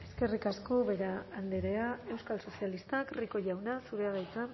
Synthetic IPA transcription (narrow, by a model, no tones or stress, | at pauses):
e̞ske̞rikasko̞βe̞ɾaːnd̪eɾe̞ae̞wskalso̞sialist̪akriko̞ʝawnasuɾe̞aɣajt͡sa